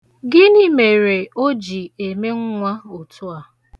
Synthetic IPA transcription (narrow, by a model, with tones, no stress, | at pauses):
ɡɪ˦ni˦me˨ɾe˨o˦d͡ʒi˨e˨me˦ŋ̩˦ŋʷa˦o˨tu˦a˨